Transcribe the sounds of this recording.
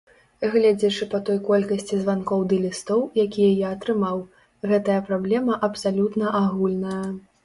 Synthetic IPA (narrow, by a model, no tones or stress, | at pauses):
ɣlʲad͡zʲɛt͡ʂɨpɐt̪ɔjkɔlʲkɐsʲt͡sʲizvankɔwd̪ɨlʲist̪ɔwjakʲijɐjaːt̪ɾɨmaw | ɣɛt̪ɐjɐpɾablʲɛmɐʔɐpsalʲut̪nɐʔaɣulʲnɐjɐ